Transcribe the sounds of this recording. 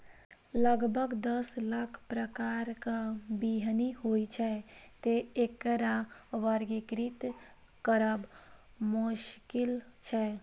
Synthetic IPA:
ləɡbʱəɡd̪əslakʰpɾəkaɾkəbiɦnihojt͡ʃʰɛt̪eekɾaʋəɾɡikɾit̪ | kəɾəb | muʃkilt͡ʃʰɛ

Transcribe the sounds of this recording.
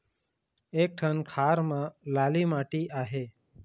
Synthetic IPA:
ek̚ʈʰənkʰaɾmãlalimaʈiʔaɦe

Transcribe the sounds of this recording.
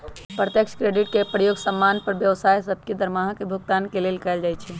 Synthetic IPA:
pɾət̪jəkʃkɾeːɖɪʈkepɾəjoːɡsəmːaːnpəɾʋjəʋsaːjsəb̚ked̪əɾmaɦkebʱʊkt̪aːnkelelɪkəeld͡ʒaːjt͡ʃʰɛ

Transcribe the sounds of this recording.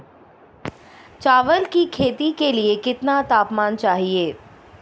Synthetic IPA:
t͡ʃaːʋəlkikʰeːt̪ikeliekɪt̪nat̪aːpmaːnt͡ʃaːɦieː

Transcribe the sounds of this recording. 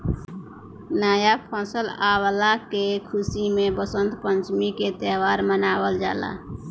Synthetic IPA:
naːjapʰɔ̃ːsəlaːwlakekʰʊsimẽbəsə̃nd̪pə̃ɲt͡ʃmiket̪eːʋaːɾmənaːwəld͡ʒa̰ːla̰ː

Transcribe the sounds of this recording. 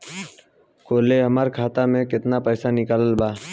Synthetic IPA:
koːleːɦəməːɾkʰaːt̪aːmẽːkɪt̪naːpəːsaːnɪkaːləlbaː

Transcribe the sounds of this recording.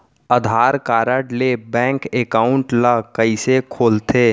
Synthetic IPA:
əd̪ʱaːɾkaːɾəʈlebɛ̃ːŋkeːkaːʊ̃ɳʈləkəisekʰoːlt̪eː

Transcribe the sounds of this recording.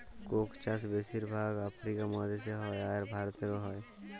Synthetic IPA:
koːkt͡ʃas̬beːsiɾbʱaːɡapʰɾiːkamɔːd̪eseɦɔːeaːɾbʱaːɾt̪ekoɦɔj

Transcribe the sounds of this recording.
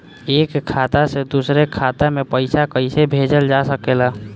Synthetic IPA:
eːkkʰːaːt̪ased̪usɾekʰat̪amepəɪsakəɪsebʱed͡ʒəld͡ʒasəkeːla

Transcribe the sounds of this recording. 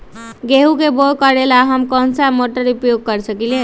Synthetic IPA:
ɡeɦukebokʌɾelaɦʌmkʌnsamoʈəɾupjoɡ̚kʌɾisʰʌkile

